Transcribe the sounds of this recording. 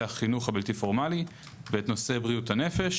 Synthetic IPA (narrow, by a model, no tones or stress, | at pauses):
aχinuχhabiltifo̞ʁmali | veetno̞se̞bʁijuthane̞fe̞ʃ